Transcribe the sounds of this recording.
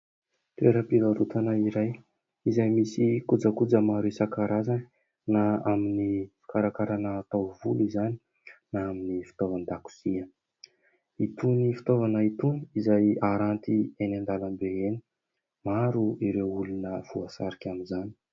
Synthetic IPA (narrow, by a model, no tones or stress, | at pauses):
t̪ueɾəpilaɾut̪ʰanaiɾaj | izajmisikud͡zəkud͡zəmaɾisakaɾazani | naaminifi̥kaɾakaɾanəːt̪awvulizani̥ | naaminifi̥t̪ovand̪aku̥siə | it̪unifi̥t̪ovanəit̪uniizajaɾant̪ienand̪alambeeni̥ | maɾuiɾewulunəv̥uasaɾikʲaminzani̥